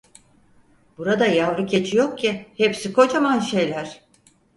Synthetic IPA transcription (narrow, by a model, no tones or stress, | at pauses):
b̥uɾad̪ajavɾɯcʰe̞t͡ʃʰijok̚cʰihepsikʰo̞t͡ʃamanʃe̞jlʲæɾ̥